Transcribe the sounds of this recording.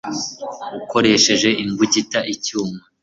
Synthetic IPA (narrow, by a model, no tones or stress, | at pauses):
uko̞ɾe̞ʃe̞ʒe̞ʔiŋɡuɟitaʔicuːma